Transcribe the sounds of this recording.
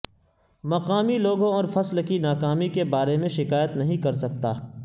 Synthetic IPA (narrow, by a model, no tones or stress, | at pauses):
mɐqaːmiloːɡõɔːɾfɐslkinaːkaːmikebaːɾemẽʃɪkaːjət̪nɐɦĩkɐɾsɐk̚t̪aː